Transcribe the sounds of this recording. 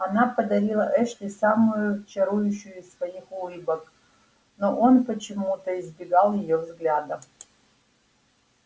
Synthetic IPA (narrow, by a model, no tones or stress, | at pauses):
ɐnapɐd̪ɐɾʲilˠɐʔɛʂlʲɪsamujʊt͡ʃɐɾujʊɕːʊjʊssvɐixulˠɨbɐk | noʔonpət͡ʃɪmut̪əizbʲɪɡalˠjɪjovzɡlʲad̪ɐ